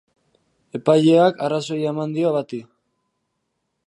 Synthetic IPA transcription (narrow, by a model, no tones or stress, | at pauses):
e̞paʎeakaraso̞jamand̪ioβat̪i